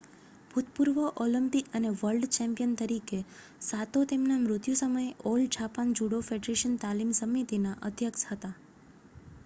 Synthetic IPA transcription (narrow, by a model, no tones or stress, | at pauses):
bʱut̪puɾʋəʔolimpikəneʋəlɖt͡ʃɛ̃mpijənt̪əɾike | sat̪ot̪emnamɾʊt̪jusəməjeold͡ʒʰʱapand͡ʒuɽofeɖɾeʃənt̪alimsəmit̪inaʔəd̪ʱjəkshət̪a